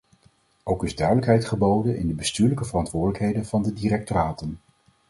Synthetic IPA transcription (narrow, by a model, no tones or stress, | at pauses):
owkɪzdœɥdələkɦɛjtχəbowdənɪ̰ndəbəstyːɹləkəvərɑntʋʊːɹdələkɦejdənv̥ɑndədirɛk̚toraːtən